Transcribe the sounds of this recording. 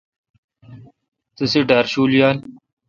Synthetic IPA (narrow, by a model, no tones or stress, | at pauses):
t̪ɐseɖaːɾɕuːljaːn